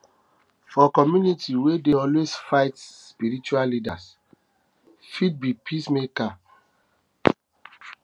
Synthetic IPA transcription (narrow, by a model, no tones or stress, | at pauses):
fɔkɔmjunitiwedeɔlwesfaɪtspiɾit͡ʃuallidas | fid̚bipʰismeka